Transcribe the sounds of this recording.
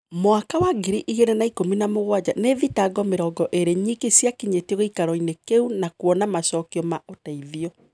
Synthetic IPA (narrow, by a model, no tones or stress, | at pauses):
moakawaɡiɾiʔiɣeɾenaikominamoɣwad͡ʑaneðitaɡɔmeɾɔːɡɔʔeɾeɲikisjakiɲetɣoikaɾɔinekeunakwɔnamasɔːkiɔmaʔotaiðiɔ